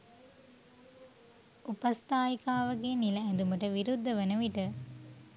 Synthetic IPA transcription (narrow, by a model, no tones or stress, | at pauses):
upɐst̪aːjikaːʋɐɡeːnilɐɛd̪umɐʈɐʋiɾud̪ʱːɐʋɐnɐʋiʈɐ